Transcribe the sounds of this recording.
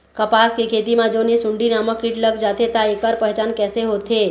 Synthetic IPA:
kɐpaːskekʰeːt̪imãd͡ʒoːnesʊ̃ɳɖinaːmə̃kiʈləɡd͡ʒaːt̪ʰet̪aekəɾpɛɦt͡ʃaːnkɛːseɦoːt̪ʰe

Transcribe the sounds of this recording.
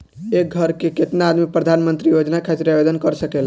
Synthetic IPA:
ek̚ɡʱəɾkeket̪naːd̪mipɾəd̪ʱanmənt̪ɾijod͡ʒnakʰat͡ʃɾjabed̪ənkəɾsəkel

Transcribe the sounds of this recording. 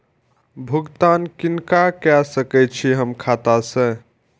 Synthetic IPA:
bʱuɡt̪ankinkakɛsəkɛt͡ʃʰiɦəmkʰat̪asə̃

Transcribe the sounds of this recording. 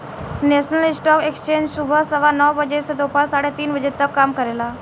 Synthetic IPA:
nesnəlisʈɔkekst͡ɕẽɲd͡ʑsubʱəsəʋanɔʋbəd͡ʑesed̪opalsaɽet̪iːnbəd͡ʑet̪əkːamkəɾela

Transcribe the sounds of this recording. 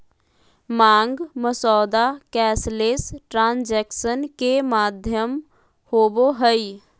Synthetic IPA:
mãːŋɡməsɔːd̪akɛːsleːsʈɾãːnd͡ʒɛːkʃənkemaːd̪ʱjəm | hoːboɦəi

